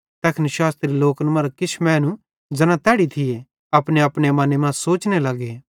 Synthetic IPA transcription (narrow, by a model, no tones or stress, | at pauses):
t̪ɛkʰnɪʃaːst̪ɾiloːkənmɐɾkɪt͡ʃʰmɛ̃ːnũ | d͡ʒɐnãt̪ɛːɽit̪ʰɪje | ɐpɽ̃eɐpɽ̃emɐnemãsoːt͡ʃnelɐɡeː